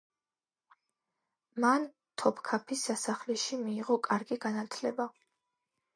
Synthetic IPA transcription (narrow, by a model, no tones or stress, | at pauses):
man | t̪ʰɔpʰkʰapʰisːasaχlɛʃimiːʁɔkʼaɾɡiɡanat̪ʰlɛba